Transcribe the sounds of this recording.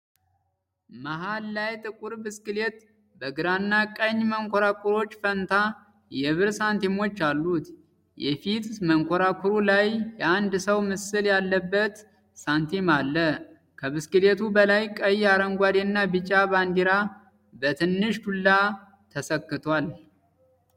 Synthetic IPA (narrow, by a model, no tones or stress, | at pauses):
maɦalːajt̪ʼɨkʼuɾbɨskɨlet̪ | bəɡɨɾanːakʼəɲːməŋkʷʰoɾakʰʷʼuɾo̞t͡ʃːfənt̪ʰa | jɛβɨɾsant̪ʰimo̞t͡ʃːalːut̪ | jɛfit̪məŋkʰoɾakʰuɾulajːɛand̪səwmɨsɨljalːəbːət̪ | sant̪ʰimalːə | kʰəβɨskɨlet̪ʰubəlajkʼəjaɾəŋɡʷad̪enːabɨt͡ʃʼaband̪iɾa | bət̪ʰɨnːɨʃt̪ʰulːa | t̪ʰəsəkːɨt̪ʰwal